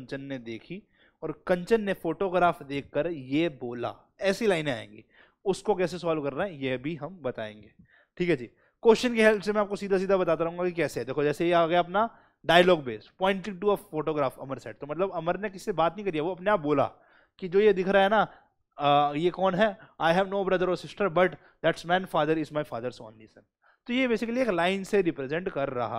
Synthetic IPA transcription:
ɲt͡ʃənːed̪eːkʰi | ɔːɾkɐ̃ɲt͡ʃənːefoːʈoːɡɾaːfd̪eːkʰːəɾjeboːla̰ | ɛːsilaːɪneaːḛ̃ːŋɡḛ | ʊskok̬ɛːsesɔːlkɐɾːaɦɛ̃jebʱiɦɐmbɐt̪a̰ːḛ̃ːŋɡeː | ʈʰiːkɦɛd͡ʒḭː | koːʃʃənkeɦɛlpsemɛ̃aːp̚kosiːd̪ʱas̬iːd̪ʱabɐt̪aːt̪aɾɐɦũŋɡakikɛːseɦɛd̪eːkʰod͡ʒɛːseeaɡɛjaɐpna | ɖaːjəlɔːɡbeːspɔ̃ːɪ̃ɳʈliʈuɐfoːʈoːɡɾaːfɐ̰məɾsɛʈ̚t̪omɐt̪ləbɐməɾnekɪsi̥sebaːt̪nəɦĩkɐɾd̪iaʋoɐpneaːp̚boːla̰ | kid͡ʒoːjed̪ɪkʰɾaaɦɛna | jekɔːnɦɛaːɪɦɛʋnoːbɾɐd̪əɾɔːɾsɪsʈəɾbɐʈ | d̪æʈsmɛ̃ɪnfaːd̪əɾɪzmaɪfaːd̪əɾsɔ̰ːnlisə̃n | t̪ojebeːsɪkəlieːklaːɪnseɾɪpɾezɛ̃ɳʈkɐɾːɐ̰ɦa̰

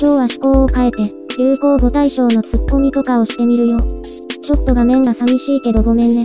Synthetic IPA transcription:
kʲo̞ːβaɕi̥ko̞ːokae̞t̪e̞ | ɾɯːko̞ːɡo̞t̪aiɕo̞ːno̞t͡sɨkːo̞mʲit̪o̞kao̞ɕi̥t̪e̞mʲiɾɯ̟jo̞ː | t͡ɕo̞t̪ːo̞ɡamẽ̞ŋɡasamʲiɕiːke̞d̪o̞ɡo̞mẽ̞nd̪e

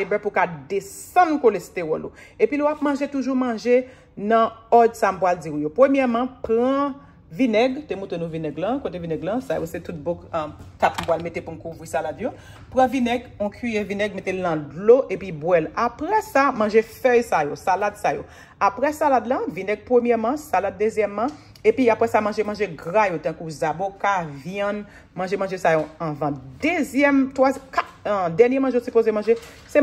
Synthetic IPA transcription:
ebɛpukad̪esɐ̃nkolest̪eʁɔlo̰epilowap̚mɐ̃ʒetuʒumɐ̃ʒe | nɐ̃ɔd̪sam̩pwald͡zijopʁømjɛʁmãpʁɐ̃ | vinɛɡt̪emũtenũvinɛɡlɐ̃kot̪evinɛɡlɐ̃sa̰jo̰set̪ut̚bokt̪akm̩pwalmet̪epumkuvʁisaladjo | pʁɐ̃vinɛɡɔ̃kʰɥijevinɛɡ̚metelnɐ̃dloʔepibwɛlapʁɛsamãʒefœjsajosalad̪sajo̰ | apʁɛsalad̪lãvinɛɡ̚pʁəmjɛmãsalad̪̚ːezjɛmːã | epiapɣɛsamãʒemãʒeɡʁajot̪ãkuzabokavjɛ̃n | mãʒemãʒesajoãvɐ̃d̪ezjɛmt̪wazkatd̪ɛʁnjem̃ʒejosypozemãʒe | sɛ

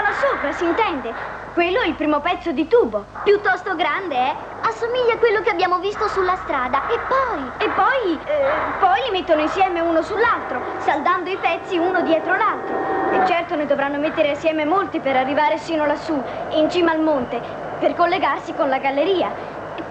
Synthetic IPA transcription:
alasoːpɾasint̪ɛnd̪e | kwelːoɛilpɾiːmopɛt̪sːod̪it̪uːbo | pjut̪ːɔst̪oɡɾand̪eɛ | asːomiʎːakwelːokeabːjaːmovist̪osulːast̪ɾaːd̪aepːɔːjepːɔj | pɔjlimet̪ːonoinsjɛːmeuːnosulːalt̪ɾo | sald̪and̪oipɛt̪sːiuːnod̪jɛːt̪ɾolalt̪ɾoet͡ʃːɛrt̪oned̪ovɾanːomet̪ːeɾeasjɛːmemolt̪ipeɾarːivaːɾesiːnolasːuint͡ʃiːmaːlmont̪e | perkolːeɡarsikonlaɡalːeɾiːa

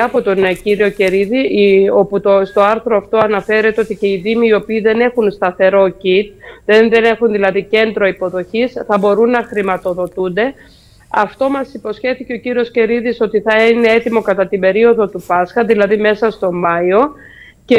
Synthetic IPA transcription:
ɐpo̞t̪onciɾio̞ce̞ɾiðio̞put̪ost̪o̞ɐɾθɾo̞ɐft̪o̞ɐnɐfe̞ɾe̞t̪eo̞t̪ice̞iðimiːo̞piːðe̞ne̞xunst̪ɐθe̞ɾo̞cit̪̚ðenðe̞ne̞xunðilɐðice̞nd̪ɾo̞ipo̞ðo̞çisθɐbo̞ɾunːɐxɾimɐt̪o̞ðo̞t̪und̪e̞ | ɐft̪o̞mɐsipo̞sçe̞θice̞o̞ciɾio̞sce̞ɾiðiso̞t̪iθɐine̞e̞t̪imo̞kɐt̪ɐt̪imbe̞ɾio̞ðo̞t̪upɐsxɐðilɐðime̞sɐst̪o̞mɐio̞ | ce

